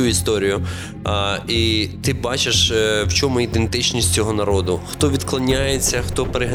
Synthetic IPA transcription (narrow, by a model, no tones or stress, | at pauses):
uist̪ɔɾʲijʊ | it̪ɪbɑt͡ʃeʃwt͡ʃɔmʊid̪ent̪ɪt͡ʃnʲisʲt͡sʲɔɦɔnɐɾɔd̪ʊxt̪ɔʋʲid̪klˠɐnʲajet͡sʲːɐxt̪ɔpeɾeɦɐ